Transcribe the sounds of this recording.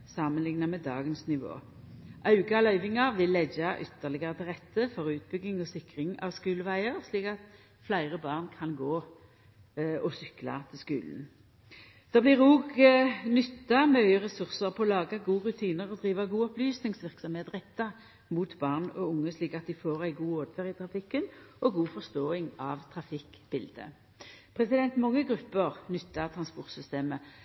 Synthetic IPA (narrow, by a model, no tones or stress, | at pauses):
sɑːmənlɪŋnɑmɛd̪ɑ̰ːɡənsnɪʋo̰ː | ʔɑʉɡɑlœʏʋɪŋɑʋɪlːɛd͡ʒɑʔʏt̪ːəʁlɪɡəʁət̪ʰɪʁɛt̪ːəfɔʁʉːt̪̚bʏɡɪŋɔsɪkʁɪŋɑ̰ʋskʉːləʋæɪəʁsliːkɑt̪ | flæɪʁəbɑːʁnkʰɑnɡoː | ɔsʏklɑ̰t̪ʰɪlskʉ̰ːln̩ | d̪̥ɑːblɪːʁuːɡnʏt̪ːɑmœœʏəʁɛsʉʁsəʁpʰɔɔlɑːɡɑɡuːʁʉt̪ʰiːnəʁɔd̪ʁiːʋɑɡuːɔplyːsnɪŋsʋɪʁksɔmheːt̪ʁɛt̪ːɑ | muːt̪bɑːʁnɔʊŋːəsliːkɑt̪̚d̪ɪfoːʁæɪɡuːoːd̪ʋɛʁɪt̪ʰʁɑfɪkːənʔɔɡuːfɔʁst̪oːɪŋɑʋt̪ʰʁɑfɪkb̥ɪld̪ə̰ | pʰʁɛsɪd̪ɛnt̪mɑŋːəɡʁʉpːəʁnʏt̪ːɑt̪ʰɾɑnspɔʁt̪sʏst̪eːmə